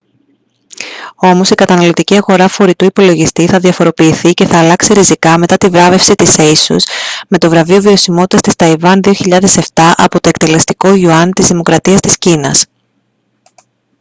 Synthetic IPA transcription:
o̞mo̞sikɐt̪ɐnɐlo̞t̪iciɐɣo̞ɾɐfo̞ɾit̪uipo̞lo̞ʝist̪iθɐðjɐfo̞ɾo̞piːθice̞θɐːlɐksiɾizikɐme̞t̪ɐt̪ivɾɐve̞fsit̪isesṵsme̞t̪o̞vɾɐviovio̞simot̪it̪ɐst̪ist̪ɐivɐnðio̞çiʎɐðe̞se̞ft̪ɐʔɐ̰po̞t̪o̞e̞kt̪e̞le̞st̪iko̞ʝuɐnt̪izðimo̞kɾɐt̪iɐst̪iscinɐs

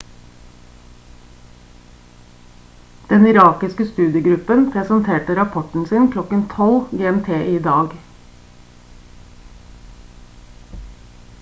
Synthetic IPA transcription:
d̪̥ɛnɪɾɑːkɪskəst̪ʉːd̪ɪəɡɾʉpənpʰɾɛsənt̪ʰeːʈəɾɑpʰɔʈɳ̩siːnkʰlɔkənt̪ʰɔlɡeːɛmt̪ʰeːʔiːd̪ɑːɡ

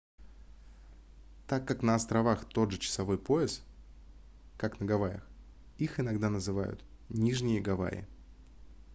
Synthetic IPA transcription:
t̪akːaknəɐst̪ɾɐvaxt̪o̞d̪ʐɨt͡ɕɪ̥sɐvo̞jpo̞ɪs | kaknəɡɐvajə̰x | ixɪnɐɡd̪anəzɨvajʊ̰t̪nʲiʐnʲɪjəɡɐva̰ɪ̰

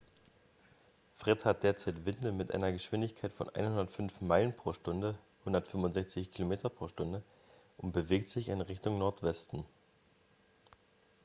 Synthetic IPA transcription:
fʁ̥ɪthat̚d̥eːɐt͡saɪtv̥ɪndəmɪtʔa̰ɪnɐɡəʃv̥ɪndɪçkʰaɪtfɔ̰nʔa̰ɪnhʊndɐtfʏnfmaɪlənpʁ̥oːʃtʊndə | hʊndɐtfʏmvʊntzɛçt͡sɪçkʰilomeːtɐpʁ̥oːɐʃtʊndə | ʔʊnt̚b̥əveːk̚tz̥ɪçɪnʁɪçtʊŋnɔɐtv̥ɛstn̩

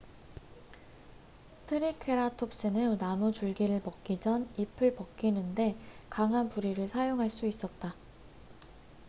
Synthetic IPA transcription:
tʰɯɾikʰe̞ɾatʰop̚s͈ɯnɯnamut͡ɕuɭɡiɾɯɭpʌk̚k͈id͡ʑʌnipʰɯɭpʌk̚k͈inɯnde̞kaŋɦanpuɾiɾɯɭsʰajoŋɦaɭs͈uis͈ʌt̚t͈a

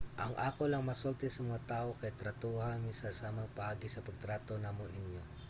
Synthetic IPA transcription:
ʔɐŋʔaːko̞lɐŋmɐsolt̪ɛsɐmɐŋat̪aːʔo̞kɐjt̪ɾɐt̪oːhɐnɪsɐsaːmɐŋpɐʔaːɡɪsɐpɐɡ̚t̪ɾaːt̪o̞naːmonʔɪnjo̞

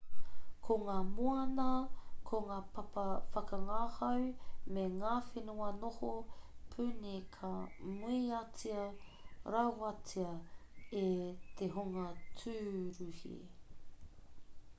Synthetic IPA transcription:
kʰoŋaːmuɐnɐkʰoŋaːpʰɐpɐfɐkɐŋaːhɐwmeŋaːfenuɐnohopʰʉnikʰɐmuiɐt͡siɐɾɐwɐt͡siɐet̪ʰeɦoŋɐtʰʉːɾuhḭ

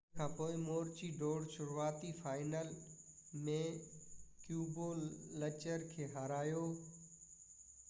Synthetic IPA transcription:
kʰãːpoːɪmoːɾt͡ɕiɖoːɽʃʊɾuaːt̪ifaːɪnəl | mẽ | kjuːboːɐt͡ɕəɾkʰeːɦaːɾaːjoː

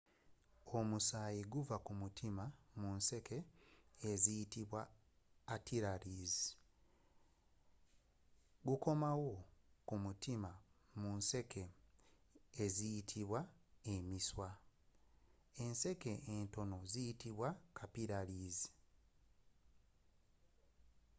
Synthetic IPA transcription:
o̞musaːjiɡuvakumutʰimamunse̞ke̞ː | zijitiβwaː | tiɾaliːzi̥ | ɡuko̞mawo̞kumutima | munse̞kʰe̞ | zijitʰiβwaemiswa | e̞nse̞ke̞ento̞no̞zijitiβwakʰapiɾaliːzi̥

